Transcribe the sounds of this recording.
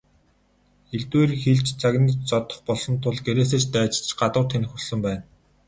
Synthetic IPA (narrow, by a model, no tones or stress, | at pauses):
eɮt̪weːrxiɮt͡ɕt͡sʰaɣnə̆t͡ɕt͡sɔt̪ɞ̆χpɔɮsɞ̆nt̪ʰʊɮɡeɾeːs̬eːt͡ɕt̪æːt͡ɕ̆t͡ɕɢat̪ə̆wt̪ʰen̆xusə̆mpæːn